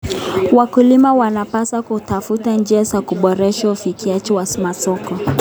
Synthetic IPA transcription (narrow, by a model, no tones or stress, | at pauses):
wakulimawanapasakutafutand͡ʒiasakuɓɔɾɛʃaufikiat͡ʃɛwasmasɔkɔ